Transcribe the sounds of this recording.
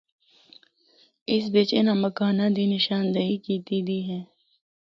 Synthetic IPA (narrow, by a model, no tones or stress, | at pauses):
ɪsbeːt͡ʃenamɐkaːnad̪ʱinɪʃaːnd̪əikiːt̪iːd̪iːɦɛ̃ː